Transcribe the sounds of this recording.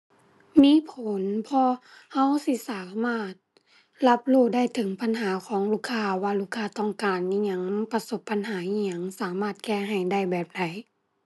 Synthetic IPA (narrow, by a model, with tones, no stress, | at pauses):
miː˧˥˨pʰo˨˦npʰɔː˧ | ha˧˥˨wsi˧˥˨saː˨˦maː˧˥˩t̪̚ | la˧˥p̚luː˧˩da˥˩jt̪ʰɯ˨˦ŋpʰa˧˥nɦaː˨˦kʰɔː˨˦ŋluː˧˩kʰːaː˧waː˧luː˧˩kʰːaː˧˩t̪ɔ˧˩ŋkaː˨nːiː˧ɲa˧˦˥ŋpa˧so˧˦pʰːa˧˨nɦaː˨˦ʔiː˧ɲa˧˥ŋsaː˨˦maː˥˩t̪̚kɛː˧˩ɦa˨˩jda˥˩jbɛː˨˩p̚da˨˦j